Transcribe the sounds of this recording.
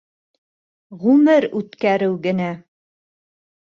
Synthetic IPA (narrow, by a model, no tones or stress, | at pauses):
ʁʉmɘɾʉt̪kæɾɘwɡɘ̆næ